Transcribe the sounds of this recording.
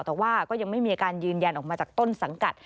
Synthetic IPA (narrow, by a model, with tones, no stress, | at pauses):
t̪ɛː˨˩waː˥˩kɔː˥˩ja˧ŋma˥˩jmi˧a˧kaː˧njɯː˧nja˧nʔɔː˨˩k̚maː˧t͡ɕaː˨˩k̚t̪o˥˩nsa˩˦ŋka˨˩t̪̚